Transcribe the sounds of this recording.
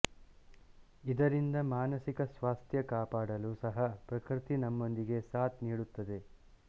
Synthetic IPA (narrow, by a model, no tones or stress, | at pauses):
id̪ɐɾind̪ɐmaːnɐsikɐsʋaːst̪ʰjɐkaːpaːɽɐluːsɐɦɐpɾɐkɾit̪inɐmːo̞nd̪iɡe̞saːt̪niːɽut̪ːɐd̪e̞